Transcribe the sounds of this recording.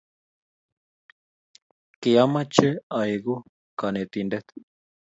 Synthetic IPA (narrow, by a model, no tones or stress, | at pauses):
keamat͡ʃeajɣu | kanet̪indet̪